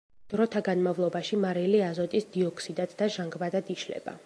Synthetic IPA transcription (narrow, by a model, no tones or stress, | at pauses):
d̪̥ɾɔt̪ʰaɡanmavlˠɔbaʃimaɾɛliazɔt̪ʼisd̪iɔkʰʼsid̪ad̪d̪aʒaŋɡbad̪ad̪iʃlɛ̰b̥a̰